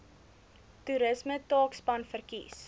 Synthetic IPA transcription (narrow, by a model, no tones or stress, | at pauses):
tuɾəsmətɑːkspɐnfərkḭs